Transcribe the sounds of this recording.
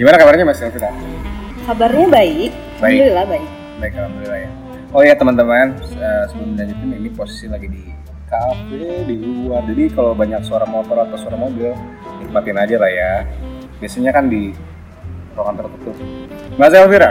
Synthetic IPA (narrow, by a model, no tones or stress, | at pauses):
ɡimanakabarɲamaslfiɾa | kabarɲabaɪk̚ | baɪɪlahbaɪk̚ | baɪklabibilahja | ojat̪əmant̪əmanəsəbumdaɲat̪ɪniniposi̥silaɡidi | kafediuad͡ʒadikalowbaɲak̚səaɾaŋmot̪ɔɾat̪awsoaɾaŋmobɪl | it̪əmat̪ɪnad͡ʒalahja | biasaɲakandi | ɾoŋant̪ərt̪ət̪ʊp̚mas̬aalfiɾa